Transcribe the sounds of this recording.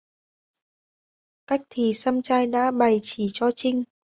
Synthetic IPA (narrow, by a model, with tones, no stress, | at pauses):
ka˦˥jk̟̚t̪ʰi˨˩sa˧mt͡ɕaː˧jɗa̰ː˧˥ɓa˨˩jt͡ɕi˧˩t͡ɕɔ˧t͡ɕï˧ŋ̟